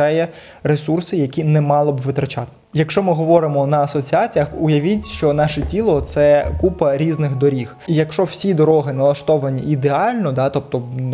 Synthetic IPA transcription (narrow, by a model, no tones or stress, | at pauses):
ɛjɛ | ɾesursɪjɐkʲinɛmɑlˠɔbʋɪt̪ɾɐt͡ʃɑt̪ | jɐkʃt͡ʃɔmɪɦɔʋɔɾɪmɔnɐɐsɔt͡sʲiɑt͡sʲijɐxʊjɐʋʲitʲʃt͡ʃɔnɑʃɛtʲilˠɔt̪sɛkupɐɾʲiznɪxd̪ɔɾʲixijɐkʃt͡ʃɔw̥sʲid̪ɔɾɔɦɪnɐlˠɐʃt̪ɔʋɐnʲiʔːd̪eɑlʲnɔd̪ɑt̪ɔp̚t̪ɔ